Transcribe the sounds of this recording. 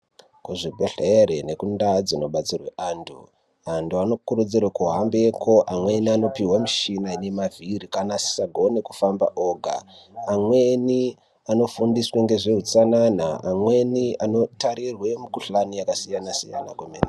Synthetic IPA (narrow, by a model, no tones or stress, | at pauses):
kuʐibʱeɬeɾene̞kundad͡zino̞ɓat͡sirwe̞ʔaːndʰṵ | anduano̞kurud͡zirwakuɦambe̞kʰo̞ʔamwe̞niano̞piwamiʃinaine̞mavʱiɾikanasi̥saɡʱo̞ne̞kufamba̰ʔoɡʱa̰ː | mwe̞ni | ano̞fundisweŋɡe̞ʐe̞ɦut͡sananaamwe̞niano̞taɾirwe̞mukuɬanijakasijanasḭja̰nakwemeːn